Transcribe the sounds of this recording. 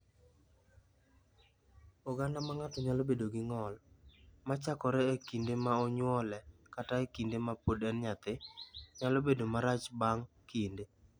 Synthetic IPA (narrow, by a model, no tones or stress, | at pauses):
ɔɡandamaŋatɔɲalobedoɡɪŋɔlmat͡ʃakɔɾɛekindemaɔɲwɔlɛkataekindemapodɛnɲat̪ɪɲalɔbedomaɾat͡ʃbaŋkinde